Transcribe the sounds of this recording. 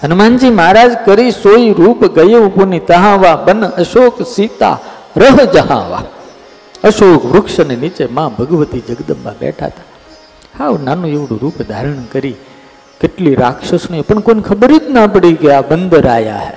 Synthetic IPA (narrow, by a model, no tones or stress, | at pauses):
ənmãɲd͡ʒimaːɾaːd͡ʒkəɾisoiɾuːpɡəjeʋponit̪əɦãʋabənəʃoːksit̪a̰ | ɾəɦd͡ʒəɦã̰ʋa̰ | əʃoːkʋɾʊkʃənenit͡ʃemãbʱəɡʋət̪id͡ʒəɡd̪əba̰bɛ̰ʈʰa̰t̪ḁ | haʋnanũeʋɽṵ̃ɾuːpd̪ʱaɾəɳkəɾi | kɪʈliɾaːkʃəsnuepəɳkonkʰəbɾit̪napəɽiɡəjabənd̪əɾaːja̰ɦḛ